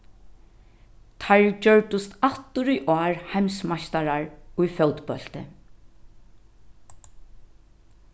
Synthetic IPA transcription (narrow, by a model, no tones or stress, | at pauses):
t̪ʰaɹd͡ʒœɹʈʊst̪at̪ːʊɾʊjʔɔːɹhajmsmaʃt̪aɹaɹʊjfœwt̪pœl̥t̪ɪ̰